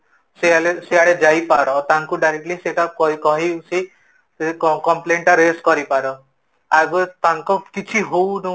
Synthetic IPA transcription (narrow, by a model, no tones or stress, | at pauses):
sealeseaɭed͡ʒajpaɾɔt̪aŋkuɖajɾek̚ʈliseʈakɔkɔɦisi | kɔmpleɳʈaɾeskɔɾipaɾɔ | aɡot̪aŋkɔkit͡ʃʰiɦownu